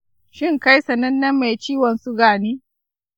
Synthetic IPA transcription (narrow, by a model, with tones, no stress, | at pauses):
ʃɪ˦ŋka˦jsɐ˨nɐ˦nːɐ˦mːe˨jt͡ʃiː˦wɐ˨nsu˦ɡaː˨niː˦